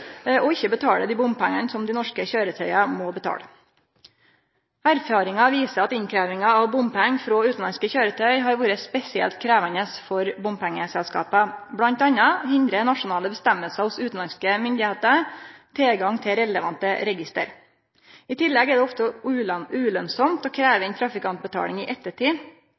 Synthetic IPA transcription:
ʔɔɪçːəbət̪ʰɑːləd̪iːbʊmpʰæŋːənsɔmd̪ɪnɔʂkəçøːɾət̪ʰœʏɑmɔbət̪ʰɑ̰ːlə | æɾfɑːɾɪŋɑʋiːsəɾɑt̪ɪnkʰɾæːʋɪŋɑɑʋbʊmpʰɛŋfɾoɔːʉːt̪n̩lɑnskəçøːɾət̪ʰœʏɦɑːɾʋuːɾəspɛsɪɛ̰lt̪kʰɾæːʋənəsfɔɾbʊmpʰæŋːəsɛlskɑ̰ːpəblɑnt̪ɑnɑhɪnd̪ɾənɑʂʊnɑːləbəst̪æmːəlsəhʊsʉːt̪n̩lɑnskəmʏnd̪ɪheːt̪ət̪ʰeɡɑŋt̪ʰɪɾɛləʋɑnt̪əɾɛɡɪst̪ə̰ɾ | ɪt̪ʰɪlːɛɡɛɖ̪ɛɔft̪əʉːʉːlœnsɔmt̪oːkʰɾæːʋɛnt̪ʰɾɑfɪkɑnt̪̚bət̪ʰɑ̰ːlɪŋiːʔɛt̪ːəʈiː

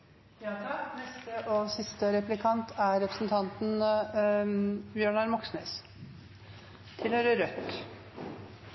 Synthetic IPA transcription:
jɑːt̪ʰɑknɛst̪əʔoːsɪst̪əɾɛplɪkʰɑnt̪ʰæɾɛpɾəsn̩t̪ʰɑnt̪n̩ | bjøːɳɑɾmɔksnḛːs | t̪ʰɪlhøːɾəɾœt̪

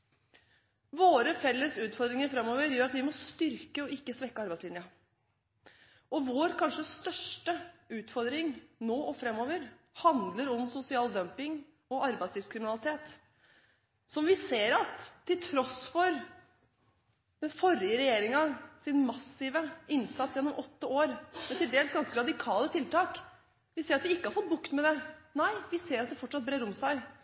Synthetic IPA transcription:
ʋoːɾəfɛlːəsʉːt̪fɔɾd̪ɾɪŋəɾfɾɛmːɔːʋəɾjøːɾɑt̪ʋɪmɔst̪ʏɾkəɔɪkːəsʋɛkːəɑɾbæɪslɪnjə | ʔɔʋoːɾkʰɑnʂəst̪œʂʈəʉːt̪fɔɾd̪ɾɪŋnoːʔɔfɾɛmːoːʋəɾ | hɑnd̪ləɾɔmsʊsɪɑːld̪œmpɪŋ | ɔɑɾbæɪslɪfskʰɾɪmɪnɑlɪt̪ʰeːt̪ | sɔmʋɪseːɾɑt̪ʰːɪlt̪ʰɾɔsfɔɾ | d̪̥ɛnfɔɾɪəɾɛjeːɾɪŋɑsɪnmɑsɪʋəɪnsɑt̪sjɛnːɔmʔɔt̪ːəoːɾmɛt̪ɪld̪eːlsɡɑnskəɾɑd̪ɪkʰɑːlət̪ʰɪlt̪ɑːk | ʋɪseːɾɑt̪ʋɪɪkːəhɑɾfɔt̪̚bʊkt̪mɛd̪ɛnæɪʋɪseːɾɑt̪̚d̪ɛfɔʈʂɑt̪̚bɾeːɾɔmsæɪ

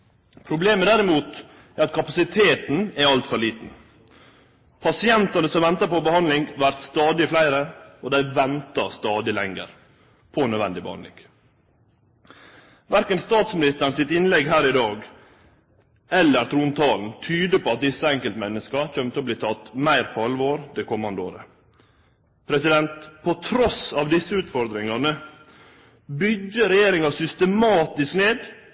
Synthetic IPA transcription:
pʰɾʊbleːməd̪æɾɪmuːt̪ | æɾɑt̪̚kʰɑpɑsɪt̪ʰeːt̪n̩ɛɾɑlt̪fɔɾɭiːt̪n̩ | pʰɑsɪɛnt̪ɑnəsɔmʋɛnt̪ɑɾpɔbəhɑnd̪lɪŋʋæɾt̪st̪ɑːd̪ɪflæɪɾəɔd̪æɪʋɛnt̪ɑst̪ɑːd̪ɪlɛŋə̰ɾ | pʰɔɛnœd̪ʋɛ̰nd̪ɪbə̰hɑ̰nlɪ̰ŋ | ʋæɾkənst̪ɑːt̪smɪnɪst̪əɾnsɪt̪ɪnlɛɡɦæːɾɪd̪ɑːɡ | ɛlːəɾt̪ʰɾuːnt̪ʰɑːln̩t̪ʰyːd̪əpʰɔɑt̪̚d̪ɪsːəɛŋkəlt̪mɛnːəskɑçœmt̪ʰɛɔbliːt̪ʰɑt̪mæɪɾpʰɔhɑlʋəoːɾd̪ɛkʰɔmɑnd̪əo̰ːɾə | pʰɾɛsɪd̪ɛnt̪pʰɔt̪ʰɾɔsɑʋd̪ɪsːəʉːt̪fɔɾd̪ɾɪŋɑnə | bʏɡːəɾɛjeːɾɪŋɑsʏst̪əmɑːt̪ɪskneːd̪

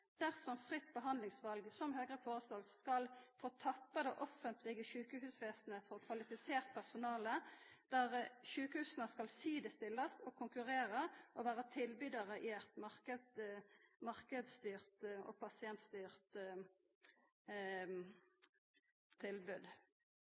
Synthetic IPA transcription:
d̪̥æʁsɔmfʁɪt̪ːbəɦɑnd̪lɪŋsʋɑlɡsɔmɦøːɡʁəfoːʁəsloːɡskɑlfoːt̪ʰɑpːəd̪ɛʔɔfənt̪ʰlɪɡəʃʉːkəɦʉːsʋeːsnəfɔʁkʰʋɑlɪfɪseːʁt̪̚pʰæʁsʊnɑːləd̪̥æʁʃʉːkəhʉːsənəskɑlsiːd̪əst̪ɪlːɑst̪ɔkʰʊŋkʉʁeːʁəʔɔʋæːʁət̪ʰɪlbyd̪ɑʁəʔɪɛt̪mɑʁkə | mɑʁkəd̪st̪yːʁt̪ɔ̰ːpʰɑsɪɛnt̪st̪yːʁt̪ | t̪ʰːɪlbʉd̪

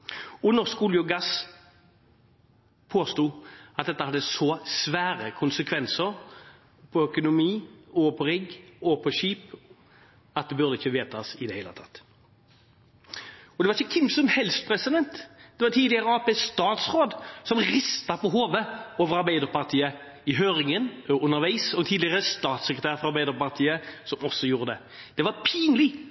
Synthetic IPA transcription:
ɔnɔʁskʊljʊɡɑs | pʰoːst̪uːɑt̪̚d̪ɛt̪ːəhɑd̪ːəsɔsʋæːɾəkʰʊnsəkʰʋɛnsəɾ | pʰɔœkʊnʊmiːɔpʰɔɾɪɡːɔpʰɔʃiːp | ɑt̪̚d̪ɛbʉʁd̪əɪçːəʋeːt̪ʰɑsɪd̪ɛhɛɪlə̰t̪ʰɑ̥t̪ː | ɔd̪ɛʋɑʁɪçəkʰɪmsɔmhɛlspʰɾɛsɪd̪ɛnt̪d̪̥ɛʋɑt̪ʰiːd̪lɪəɾəɑːpɛst̪ɑːt̪sʁoːd̪sɔmɾɪst̪ɑpɔɦoːʋəoːʋəɾɑɾbæɪd̪əɾpɑʁt̪ʰiːə | ɪɦøːɾɪŋənɔʔʉnːəɾʋæɪsɔmt̪ʰiːd̪lɪəɾəst̪ɑːt̪sɛkɾət̪æːʁɾfɔɾɑɾbæɪd̪əɾpɑʁt̪ʰiːəsɔmɔsːɔjuːɾəd̪ɛ | d̪̥ɛʋɑɾpʰiːnlɪ

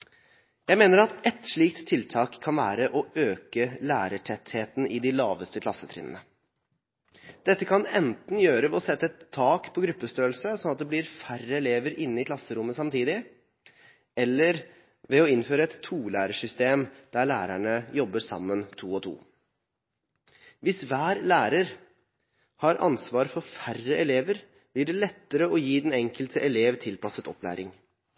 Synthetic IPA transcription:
jæɪmeːnəɾɑt̪ɛt̪ʂɭiːk̚t̪ʰːɪlt̪ʰɑːkʰːɑnʋæːɾəʔɔøːkəlæːɾəʈʰɛt̪heːt̪n̩ʔɪd̪ɪlɑːʋəst̪əkʰlɑsət̪ʰɾɪ̰nə̰nə | d̪̥ɛt̪ːəkʰɑnɛnt̪n̩jøːɾəʋɛɔsɛt̪ːəɛt̪ʰːɑːkpʰɔɡɾʉpːəst̪øːəlsəsɔnɑt̪̚d̪ɛblɪɾfærəɛleːʋəɾɪnːəɪkʰlɑsəɾʊmːəsɑmt̪ʰiːd̪ɪ | ɛlːəɾ | ʋɛɔɪnføːɾəɛt̪ʰːuːlæ̰ːɾəʂʏst̪eːmd̪̥æɾɭæ̰ːɾæ̰ɳəjɔbːəʂɑ̰mːənt̪ʰṵːɔt̪ʰṵː | ʋɪsʋæːɾlæːɾəɾ | hɑɾɑ̰nsʋɑːɾfɔɾfærːəʔɛleːʋəɾ | b̥lɪɖɛlɛt̪ːəɾəɔjiːd̪ɛnɛŋkəlt̪ʰəʔɛleːʋt̪ʰɪlpʰɑsət̪ɔ̰plæ̰ːɾɪ̰ŋ

